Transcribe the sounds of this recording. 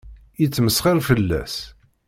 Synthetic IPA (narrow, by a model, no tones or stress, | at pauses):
jit͡sːməsχɑlfəlːæ̰s